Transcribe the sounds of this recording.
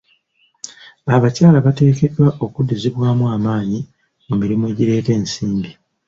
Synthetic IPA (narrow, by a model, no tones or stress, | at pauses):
aβacaːlaβate̞ːke̞dwaʔo̞kudeziβwaːmwaːmaːɲi | mumiɾimue̞ːɟiɾe̞ːte̞ːnsiːmbi